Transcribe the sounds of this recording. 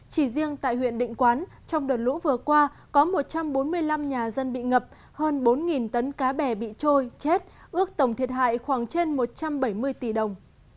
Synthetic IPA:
t͡ɕi˧˩zi˧əŋt̪a̰ː˧˨jhwḭ˧˨ənɗḭ̈˧˨ŋ̟kwaː˨˦n | t͡ɕɔ˧wŋ͡mɗəː˨˩t̚lṵ˧˥vɨ˨˩əkwaː˧ | kɔ˨˦mo˨˩t̚t͡ɕa˧mɓo˨˦nmɨ˧əjla˧mɲaː˨˩zə˧nɓḭ˧˨ŋə˨˩p̚ | həː˧nɓo˨˦nŋi˨˩nt̪ə˨˦nkaː˨˦ɓɛ˧˨˩ɓḭ˧˨t͡ɕo˧jt͡ɕe˦˥t̚ʔɨ˦˥ək̚t̪ə˧˩wŋ͡mt̪ʰi˨˩ət̚ɦa̰ː˧˨jxwaː˧˩ŋt͡ɕe˧nmo˨˩t̚t͡ɕa˧mɓə˧˩jmɨ˧əjt̪i˧˩ɗə˨˩wŋ͡m

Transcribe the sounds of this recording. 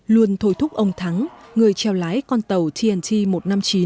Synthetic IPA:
lu˧ənt̪ʰo˧˩jt̪ʰʊ˦˥k͡p̚ʔə˧wŋ͡mt̪ʰa˨˦ŋŋɨ˨˩əjt͡ɕɛ˨˩wlaː˨˦jkɔ˧nt̪ə˨˩wt̪ʰi˧ʔɛ˧˩nt̪ʰi˧mo˨˩t̚na˧mt͡ɕi˨˦

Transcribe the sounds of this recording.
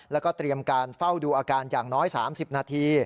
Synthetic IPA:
lɛ˦˥wkɔː˥˩t̪ɾi˧əmkaː˧nfa˥˩wduː˧ʔaː˧kaː˧njaː˨˩ŋnɔː˦˥jsa̰ː˩˦msi˨˩p̚naː˧t̪ʰiː˧

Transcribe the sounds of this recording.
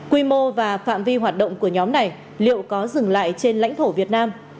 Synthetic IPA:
kwi˧mo˧vaː˨˩fa̰ː˧˨mvi˧ɦwaː˨˩t̚ɗə̰˧˨wŋ͡mku˧˩əɲɔ˨˦mna˨˩j | lḭ˧˨ə˨wkɔ˨˦zɨ˨˩ŋla̰ː˧˨jt͡ɕe˧nla̰˧˥jŋ̟t̪ʰo˧˩vi˨˩ət̚naː˧m

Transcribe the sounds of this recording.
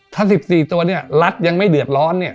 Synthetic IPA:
t̪ʰaː˥˩si˨˩p̚siː˨˩t̪u˧ɐni˥˩ɐla˦˥t̪̚ja˧ŋma˥˩jdɯ˨˩ət̪̚ɾɔː˦˥nːi˥˩ɐ

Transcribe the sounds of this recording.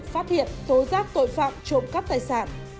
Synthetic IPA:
faː˦˥t̚hḭ˧˨ənt̪o˨˦zaː˦˥k̚t̪o̰˧˨jfa̰ː˧˨mt͡ɕo˧˩ŋ͡mkaː˦˥k̚t̪aː˧˩jsa̰ː˧˨n

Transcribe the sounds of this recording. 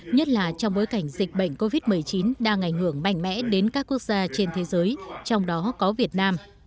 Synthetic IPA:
ɲə˦˥t̚laː˨˩t͡ɕɔ˧wŋ͡mɓo˨˦jka˧˩jŋ̟zï˨˩k̟̚ɓə̰˧˨jŋ̟ko˧vi˦˥t̚mɨ˨˩əjt͡ɕi˨˦nɗaː˧ŋʔa˧˩jŋ̟hɨ˧˩əŋma̰˧˩jŋ̟mɛ̰˧˥ɗe˨˦nkaː˦˥kːu˦˥ək̚zaː˧t͡ɕe˧nt̪ʰe˨˦zəː˨˦jt͡ɕɔ˧wŋ͡mɗɔ˨˦kɔ˨˦vi˨˩ət̚naː˧m

